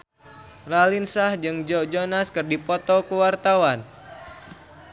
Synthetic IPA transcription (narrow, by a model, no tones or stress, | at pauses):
ralinsahd͡ʒɨŋd͡ʒɔd͡ʒonaskɨrdipɔt̪ɔkəwart̪awan